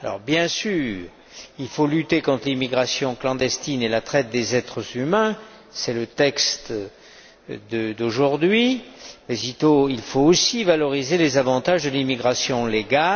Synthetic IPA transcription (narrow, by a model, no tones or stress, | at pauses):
alɔ̰ʁbjɛ̃syːʁ | ilfolyt̪ekɔ̃t̪χlimiɡʁasjɔ̃klɑ̃d̪ɛst̪inelat̪χɛt̪̚d̪ezɛt̪χəzymɛ̃ | sɛlət̪ɛkst̪ | d̪əd̪oʒuʁd̪ɥimɛsit̪oilfoosivalɔʁizelezavɑ̃t̪aʒd̪əlimiɡʁasjɔ̃leɡa